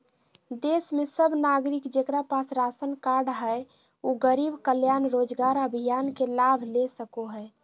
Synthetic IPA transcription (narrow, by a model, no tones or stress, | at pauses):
d̪esmesəbʱnaɡɾikd͡ʒekɾapasɾasənkaɾɖɦəj | oɡəɾibkəljanɾod͡ʒɡaɾəbʱijankelabʱlesəkoɦəe